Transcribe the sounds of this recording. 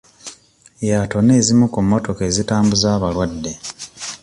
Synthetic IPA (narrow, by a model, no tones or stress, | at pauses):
jato̞ne̞ːzimukumːo̞to̞ke̞ːzitaːmbuzaːβalwadːe̞